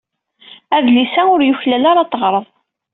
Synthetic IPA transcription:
æðlisæʊɾjʊçlælaɾɑt̪ˤːəʁɾˤəðˤ

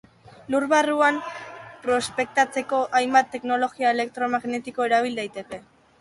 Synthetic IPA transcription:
luɾβaruampɾo̞spe̞k̚t̪at͡se̞ko̞ʔajmbat̪ːe̞kno̞lo̞ɣiae̞le̞k̚t̪ɾo̞maɣne̞t̪iko̞e̞ɾaβ̞ild̪ajt̪e̞ke̞

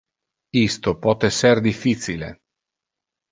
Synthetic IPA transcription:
ist̪opɔt̪eserd̪ifːit͡ʃilḛ

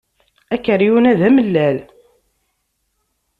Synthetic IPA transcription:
ækːəɾjunæðæməlːæl

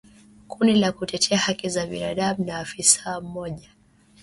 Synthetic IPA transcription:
kundilakutɛtʰɛahakizaɓinaɗamunaːfisam̩mɔʄa

